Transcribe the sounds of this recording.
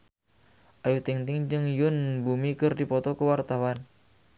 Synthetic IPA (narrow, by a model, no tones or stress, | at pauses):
ʔajut̪iŋt̪ɪŋd͡ʒɨŋjʊnbumikərdipɔt̪ɔkəwart̪awan